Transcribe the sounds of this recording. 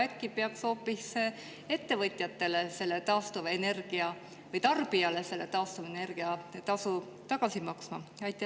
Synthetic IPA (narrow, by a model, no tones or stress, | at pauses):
ækːˑipeɑkso̞ːpːis | e̞t̪ːe̞vɤt̪ʲˑjɑt̪ːe̞le̞se̞lːe̞t̪ɑːst̪uvɑene̞rɡ̥iɑ | vɤjt̪ɑrb̥iɑlese̞lːe̞t̪ɑːst̪uvɑene̞rɡ̥iɑt̪ɑsu | t̪ɑɡ̥ɑsimɑksmɑɑjt̪ːˑe